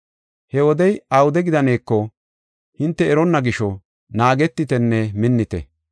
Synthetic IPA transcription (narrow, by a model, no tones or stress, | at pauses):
hɛwɔd̪ɛjɐwʊd̪ɛɡɪd̪ɐne̞ːkːɔ | hɪnt̪ːɛːɾɔnːɐɡɪʃɔ | naːɡɛt̪ːɪt̪ɛnːɛmɪnːɪt̪ɛ̰